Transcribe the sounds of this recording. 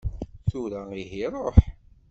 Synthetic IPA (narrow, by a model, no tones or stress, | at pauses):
θuɾæiɦiɾˤoħ